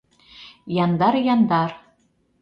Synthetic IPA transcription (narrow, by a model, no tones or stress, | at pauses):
jɑnd̪ɑɾjɑnd̪ɑr